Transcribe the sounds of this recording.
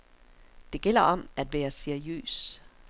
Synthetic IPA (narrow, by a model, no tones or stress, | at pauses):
d̥e̝ɡ̥el̰ɐʔɒ̽mæd̥ʋæːɐseɐiø̰ːs